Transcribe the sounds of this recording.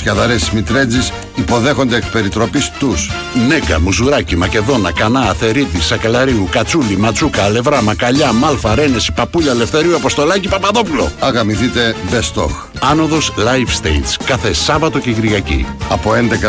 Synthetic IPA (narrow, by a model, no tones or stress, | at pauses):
sçɐðɐɾesizmit̪ɾe̞d͡zis | ipo̞ðe̞xo̞nd̪eːkpe̞ɾit̪ɾo̞pist̪us | neɡɐ̰muzuɾɐcimɐce̞ðo̞nɐkɐnɐːθe̞ɾiðisɐkɐlɐɾiukɐt͡sulimɐt͡sukɐle̞vɾɐmɐkɐʎɐmɐlfɐɾe̞ne̞si̥pɐpuʎɐle̞fθe̞ɾiuɐpo̞st̪o̞lɐcipɐpɐðo̞pulo̞̰ɐɣɐmiθit̪e̞best̪o̞̰x | ɐno̞ðo̞slɐjfst̪ḛj̪t͡skɐθe̞sɐvɐt̪o̞ceɣɾiɣɐcḭɐpo̞end̪ekɐ